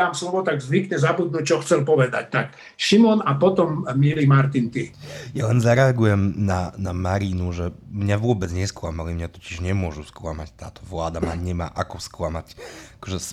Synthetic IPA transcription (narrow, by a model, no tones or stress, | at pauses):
aːmslɔʋɔt̪aɡzʋikɲɛzabud̪̚nuc̚t͡ʃɔxt͡sɛlpɔʋɛd̪a̰c̚t̪ak | ʃimɔnapɔt̪ɔmːilimaɾt̪int̪ijalɛnzaɾɛaɡujɛmnanamaɾinuʐɛmɲavɔbɛt̪t͡sɲɛskwamawimɲat̪ɔt͡ɕiʂɲɛmwɔʐuskwamat͡ɕt̪a̰t̪ɔ̥vwad̪amaɲɛma̰ʔakɔskwamat͡ɕkɔʐɛs